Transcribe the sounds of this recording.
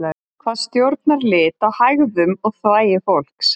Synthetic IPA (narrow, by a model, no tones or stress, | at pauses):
kʰv̥aːðst̪jowɾt̪̚naɾlɪːt̪awhajɣðʏmɔɣθvaːjɪfowl̥ks